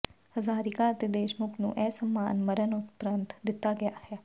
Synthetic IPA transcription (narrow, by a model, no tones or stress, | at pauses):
həzaːɾɪkaːət̪ed̪eːʃmʊknṵ̃ːʔɛːsəmːaːnməɾənʊt̪pɾənt̪d̪ɪt̪ːaːɡɪja̰ːhɛː